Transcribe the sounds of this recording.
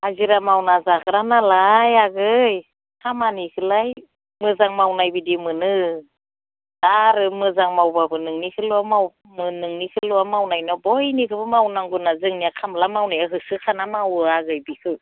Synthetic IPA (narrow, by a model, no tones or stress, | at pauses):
aziɾamawnazakʰɯɾanalajaɡɯj | kʰamanikʰɯlaj | mɯzaŋmawnajbidimɯnɯ | aɾɯmɯzaŋmawbabɯnɯŋnikʰɯlɔamaw | mɯnɯŋnikʰɯlɔamawnajnɔbɔjnikʰɯbɯmawnaŋɡunazɯŋniakʰamlamawnajaɦɯsɯkʰanamawaɡɯjbikʰɯ